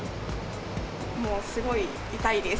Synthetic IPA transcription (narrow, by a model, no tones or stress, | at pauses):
moːsɨɡo̞i | it̪aid̪es